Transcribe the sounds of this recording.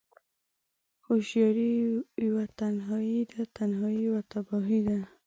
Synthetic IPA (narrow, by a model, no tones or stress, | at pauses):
xoʃjɑɾiwat̪anɦɑid̪at̪anhɑiwat̪abɔɦid̪a